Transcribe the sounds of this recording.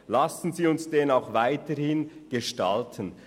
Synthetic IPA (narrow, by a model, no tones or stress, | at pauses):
lasn̩ziːʊnsd̥eːnaʊxvaɪtəɾhɪnɡ̥eʃta̰ltʰən